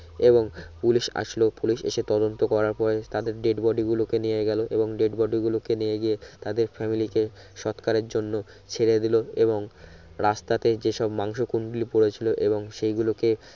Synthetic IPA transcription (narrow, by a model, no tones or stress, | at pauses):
eboŋpuliʃa̰ʃlopuliʃḛʃet̪ɔd̪ont̪okɔɾaɾpɔɾet̪ad̪eɾɖeɖbɔɖiɡulokenijeɡɛloʔeboŋɖeɖbɔɖiɡulokenijeɡijet̪ad̪eɾfɛmilike | ʃɔt̪kaɾeɾd͡ʑonːo | t͡ɕʰeɾed̪iloeboŋɾast̪at̪ed͡ʑeʃɔbmaŋʃokunɖulipoɽet͡ɕʰiloʔeβoŋʃejɡuloke